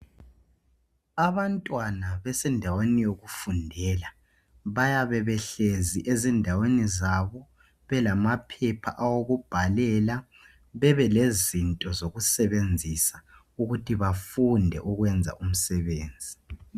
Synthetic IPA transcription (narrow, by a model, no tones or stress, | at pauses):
aβantʼwanaβɛsɛndʱawenijoɣufundʱɛːla | βajaβɛβɛɬeziʔezindʱawenizaβɔ | βɛlamapʰɛpʰa̰ʔawoɣub̥ʱalɛla | βɛβɛlezintʼɔzoɣusɛβend͡zʱisa | uɣutʰiβafundʱɛ̰ʔuɣwɛnd͡zʱa̰ʔum̩sɛβeːnd͡zʱi